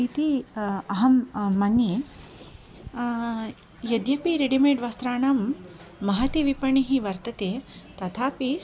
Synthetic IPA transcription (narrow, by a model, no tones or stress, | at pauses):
it̪iɐɦɐmːɐnje | jɐd̪jɐpiɾeɖimeːʈʋaːst̪ɾaːɳɐmːɐɦɐt̪iʋipɐɳiɦiʋɐɾt̪ɐt̪eːt̪ɐt̪ʰaːpi